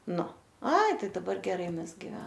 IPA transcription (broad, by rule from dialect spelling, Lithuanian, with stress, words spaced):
ˈnʊ ˈɐɪ ˈtɐɪ dɐˈbɐr ɡʲɛˈrɐɪ mʲɛzʲˈɡʲɪ